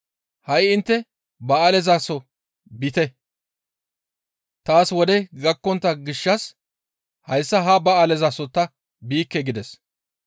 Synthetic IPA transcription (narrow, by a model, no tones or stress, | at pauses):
hɐjɪnt̪ːɛ | bɐːlɛzasɔ | bɪt̪ɛ | t̪aːswɔd̪ɛɡɐkːɔnt̪ːɐɡɪʃːɐs | hɐjsːɐɦɐbɐaːlɛzaːsɔt̪ɐ | biːkːɛɡɪd̪ɛs